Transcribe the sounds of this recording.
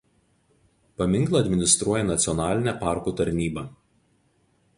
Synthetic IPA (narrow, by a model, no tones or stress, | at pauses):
pɐmʲɪŋklˠɐːɐd̪ʲmʲɪnʲɪst̪ɾuɔjɛnɐt̪sʲɪɔnɑːlʲɪnʲæpɑˑɾkuːt̪ɐɾʲnʲiːbɐˑ